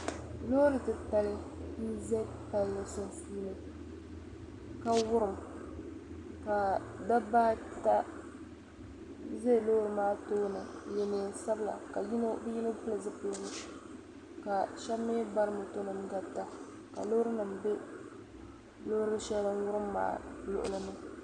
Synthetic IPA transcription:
lo˦ɾɨ˦tɨ˨ta˨lɪ˦ | n̩˦zɛ˦pa˦lla˨so˦n˦fiː˦nɨ˦ | ka˦wʊ˦ɾɨ˨m | ka˨da˦baː˦tta˦ | zɛ˦˨loː˦ɾɨ˨maː˦toː˦nɨ˨jɛ˨nɨ˨n˦sa˦bɨ˦la̰˨ka˨ji˦no˦bɨ˦ji˦nɨ˦vʊ˦lɨ˨zɨ˦po˦ɡɨ˦ | ka˨ʃɛ˦mːe˦ba˦ɾɨ˦mʊ˨to˦nɨ˨mɡa˦ta˦ | ka̰˨lo˦ɾɨ˦nɨ˨mbe˦ | lo˦ɾɨ˦ɨ˦ʃɛ˦lɨ˦n˦wʊ˦ɾɨ˦mːa̰ː˨˦lʊ̰˨ʔʊ̰˨lɨ˦nɨ˦

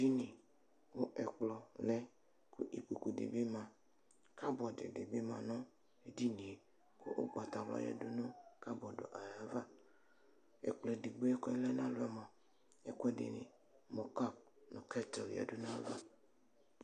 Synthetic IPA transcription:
di˦ni˨ | wo˦ʔɛ˨k͡plɔ˨lɛ˦ | ku˦ʔi˨k͡pu˨ku˨dḛ˨be˦mã˨ | ka˦bɔ˨dḛ˨de˨be˦mã˨nɔ̃˦ | e˨di˦nĩ˨ | ko̰˦ʔo˦ɡ͡ba˨t̪a˨lɔ̰˦jɛ̰˨du˦no˦ka˦bɔ˨do̰˨ʔa˨ja˨va˦ | ɛ̰˨k͡plɔ˨di˨ɡ͡bo˦ɛ˦kɔ˦ɛ˦lɛ˦nã˦lʊ˦ɛ˨mɔ̃˨ | ɛ˨kɛ˦dḛ˨nɪ̰˨ | mɔ˨ka˦˨p̚ | no˨kɛ˦tɛ˨lja̰˨do˦nã˦va˦

